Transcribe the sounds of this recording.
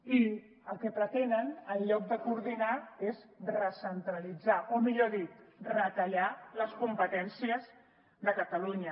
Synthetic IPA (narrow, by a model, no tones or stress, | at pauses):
i | əlˠkɛpɾət̪enənəlʎɔk̚d̪əkuːɾðinaezrəsənt̪ɾəlid͡zaʔomiʎoðit̪rət̪əʎaləskumpət̪ɛnsiəz | ðəkət̪əluɲə